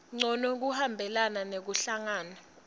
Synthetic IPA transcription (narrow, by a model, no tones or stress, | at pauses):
ŋ͡ǀɔnɔk̬uhambʱɛlananek̬uɬaŋaːna